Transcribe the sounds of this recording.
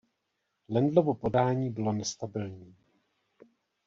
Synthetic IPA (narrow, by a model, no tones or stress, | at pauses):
lɛndlovopo̞daːɲiːbɪlo̞nɛst̪abɪlɲiː